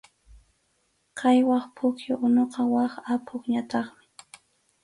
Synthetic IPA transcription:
qʰɑjwɑχpʰʊkjoʔʊnoqɑwɑχapʰʊχɲat̪ɑχmɪ̥

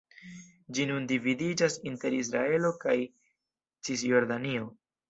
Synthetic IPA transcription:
d͡ʒinundividid͡ʒasinte̞ɾis̬ɾae̞lo̞kaj | t͡sis̬jo̞ɾdanio̞

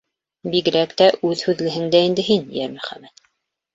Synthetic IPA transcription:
biɣɘ̆ɾækt̪æʔʉðhʉðlɘ̆ɦɘ̆ŋd̪æind̪ɘɦinjæɾmɵχæ̰mːæt̪

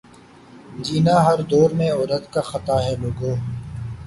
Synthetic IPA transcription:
d͡ʒiːnaːɦɐɾd̪oːɾmẽɔːɾət̪kaxət̪aːɦɛːloːɡoː

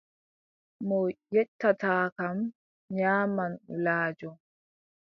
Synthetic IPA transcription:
mɔjɛtːataːkam | ɲaːmanlaːd͡ʒɔ

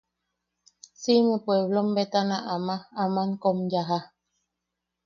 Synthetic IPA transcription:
simẽpweβlombet̪anaʔamãːmaŋkomjaɦa

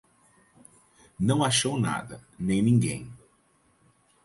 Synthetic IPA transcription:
nɐ̃w̃aʃowna̰d̪ɐnẽj̃nĩŋɡḛ̃j̃

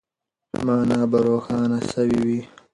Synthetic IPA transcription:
maːnaːbɐɾoːxɑːnasɐwiwi

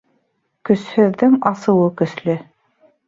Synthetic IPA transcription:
kɵ̆shɵ̆ðːɘŋɑsɤ̆wɤkɵ̆slɵ

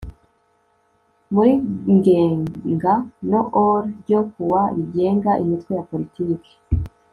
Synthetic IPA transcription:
muiŋɡeːŋɡanoʔoɾɟokuwaɾiɟe̞ːŋɡaʔimitkwejapolitiːke̥

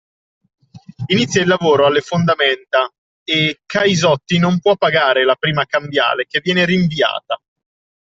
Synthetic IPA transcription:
init̪sːjailːavoːɾoalːefond̪ament̪a | ekʰːajzɔt̪ːinompwɔpːaɡaːɾelapɾiːmakambja̰ːlek̟evːjɛːneɾiɱvia̰ːt̪a

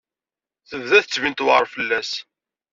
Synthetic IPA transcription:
θəvðæθət͡sːvint̪wʁɾˤfəlːæs

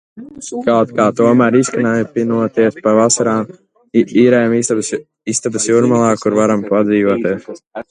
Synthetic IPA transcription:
kawt̪kaːt̪uɔmæɾiskanaːjpinuɔt̪iɛspavasaɾaːm | iːɾɛjamib | ist̪abɨsjuɾmalˠaːkuɾvaɾampad̪ziːvɔɔt̪iɛs

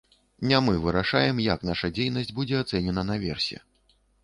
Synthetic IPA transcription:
nʲamɨvɨɾaʂajɛmjaknaʂɐd͡zʲejnɐsʲd͡zʲbud͡zʲɛat̪sɛnʲɛnɐnɐvʲɛrsʲɛ̰

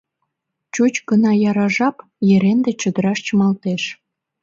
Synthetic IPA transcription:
t͡ɕut͡ɕɡənɑjɑɾɑʒɑp | jeɾend̪et͡ɕə̆d̪əɾɑʃt͡ɕəmɑlt̪eʃ

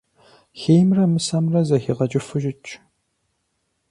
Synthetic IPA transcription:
xeːjmrɐmɨsɐmrɐzɐxiʁɐt͡ʃʼɪfɨʒɪt͡ʃʼ

